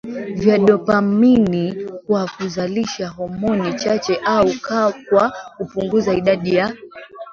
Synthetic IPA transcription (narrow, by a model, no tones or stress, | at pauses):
vjaɗɔpaminikwakuzaliʃaɦɔmɔnit͡ʃat͡ʃɛʔaukakwakupuŋɡuzaiɗaɗija